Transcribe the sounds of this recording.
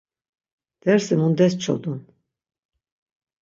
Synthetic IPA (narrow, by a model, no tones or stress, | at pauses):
d̪̥ɛɾsimund̪ɛst͡ʃʰɔ̰d̪un